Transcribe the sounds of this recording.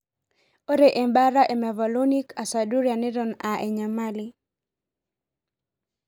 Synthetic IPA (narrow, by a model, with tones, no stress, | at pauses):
o˦ɾe˨ʔe˨mba˦ɾa˦ʔe˨mɛ˨va˨lonika˨sa˨duɾja˨nɛ˦ɾɔna˨ʔe˨ɲamali